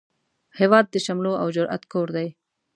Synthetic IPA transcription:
hewɑːd̪̚ːəʃamloa̰wd͡ʒʊɾa̰t̪koɾd̪aj

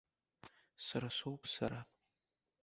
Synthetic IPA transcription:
saɾasʷowpʰsaɾa

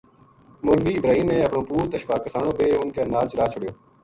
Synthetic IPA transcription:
mʊlʋiːɪbɾaːɦiːmnẽːəpɳõːpuːɾt̪əʃʋaːkːəsaːɳoːbeːɦʊnkeːnaːlt͡ʃɾaːt͡ʃʰʊɽɪjoː

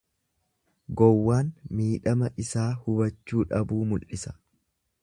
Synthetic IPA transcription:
ɡɔwːaːnmiːᶑɐmɐʔɪsaːhʊbɐt͡ʃːuːᶑɐbuːmʊlʔɪsɐ̥

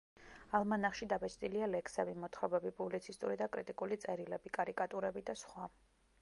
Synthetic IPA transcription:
alˠmanaχʃid̪abɛt͡ʃʰt̪ʼilialɛkʰsɛvimɔt̪ʰχwɛbɛbipʼublit̪sʰist̪ʼṵɾid̪akʼɾit̪ʼikʼulit̪sʼɛɾilɛbikʼaɾikʼat̪ʼuɾɛbid̪asχwa

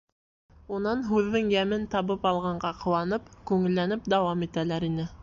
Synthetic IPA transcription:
unɑnɦʉðːɘŋjæmɘnt̪ɑβɤpɑlˠʁɑɴɢɑqʰŏwɑnɤpkʉŋɘ̆lːænɘpd̪æwɑmit̪ælæɾinɘ

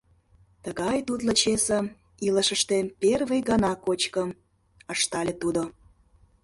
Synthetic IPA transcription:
t̪əɣɑjt̪ut̪lət͡ɕesə̆ | iləʃəʃt̪eperβəjɡɑnɑkot͡ɕkəm | əʃt̪ɑlʲet̪ud̪o

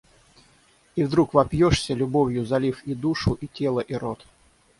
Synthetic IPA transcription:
ivd̪ɾukvɐpjoʂsʲəlʲʊbovʲjʊzɐlʲifid̪uʂʊʔitʲe̞lˠəʔiɾot̪

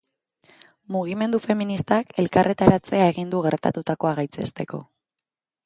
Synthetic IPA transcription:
muɣ̞ime̞nd̪ufe̞minist̪ake̞lkarʔe̞t̪aɾat͡se̞ae̞ɣind̪uɣe̞ɾt̪a̰t̪ut̪ako̞aɣajt͡se̞̰st̪e̞ko̞̰

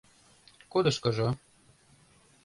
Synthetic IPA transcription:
kod̪ɤ̆ʃkɤ̆ʒɤ

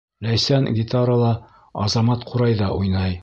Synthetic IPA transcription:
læjsænɡʲit̪aɾəlˠɑ | ɑzɑmɑt̪qʰuɾɑjðɑʔujnɑj

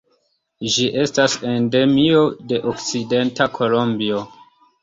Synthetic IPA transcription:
ʒiʔe̞stase̞nde̞mio̞de̞ʔokt͡side̞ntakʰo̞lo̞mbio̞

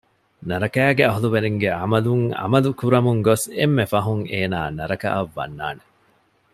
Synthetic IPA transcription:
nɐɾɐkæːɡeɐɦuluʋeɾeŋɡeɐmɐluŋɐ̰mɐlukuɾɐmuŋɡosemːefɐɦuŋeːna̰ːnɐɾɐkɐ̰ʔɐʋːɐ̰nːa̰ːne

